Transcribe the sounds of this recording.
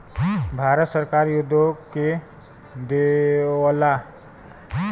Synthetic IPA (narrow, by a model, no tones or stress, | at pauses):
bʱaːɾət̪səɾkaːɾjʊd̪ʱoke | d̪eʋla